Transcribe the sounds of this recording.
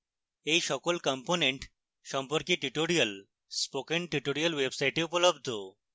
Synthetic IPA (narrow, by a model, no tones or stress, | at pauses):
ejʃɔkolkɔmponeɳʈ | ʃɔmpoɾkiʈiʈoɾial | spokeɳʈiʈoɾiɐlwebsajʈeupolobd̪ʱo